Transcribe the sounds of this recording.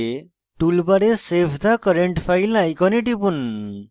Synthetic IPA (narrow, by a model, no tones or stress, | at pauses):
e | ʈulbaɽesepʰd̪akɔɾeɳʈpʰajlnajkɔneʈipun